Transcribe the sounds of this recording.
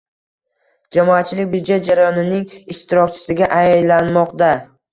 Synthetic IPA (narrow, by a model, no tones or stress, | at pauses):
d͡ʒamɒat̪̚t͡ʃʰɪlɪk̚ʲbjud̪d͡ʒet̪̚d͡ʒaɾajɒnɪnɪŋɪʃt̪ɪɾɒk̚ʲt͡ʃʰɪ̥sɪɡʲaʔajjlanmɒqd̪a